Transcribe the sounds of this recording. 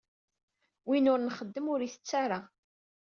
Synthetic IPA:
winʊɾnχəd̪ːəmʊɾiθə̥t͡sːaɾa

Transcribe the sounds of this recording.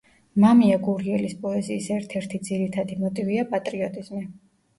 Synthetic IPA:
mamiaɡuɾiɛlispʼɔɛziːsɛɾt̪ʰɛɾt̪ʰid̪ziɾit̪ʰad̪imɔt̪ʼiviapʼat̪ʼɾiɔt̪ʼiz̥mi

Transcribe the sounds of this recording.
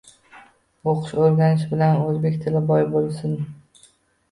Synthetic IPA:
oqʰʊ̥ʃoɾɡʲanɪʃbɪlanɵzbe̞kʲt̪ʰɪlɪbɒjbolˠsɪn

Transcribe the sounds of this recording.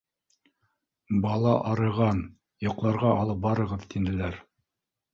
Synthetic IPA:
bɑlˠɑʔɑɾɤ̆ʁɑn | jŏqlˠɑɾʁɑɑlˠɤp̚bɑɾɤ̆ʁɤðt̪ind̪ɘ̆læɾ

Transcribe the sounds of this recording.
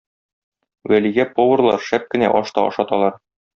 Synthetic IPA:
wæliɡæpovɤ̆rlˠɑ̰ɾʃæp̚kɘ̆næ̰ʔɒʃt̪ɑɒ̰ʃɒt̪ɑlˠɑɾ

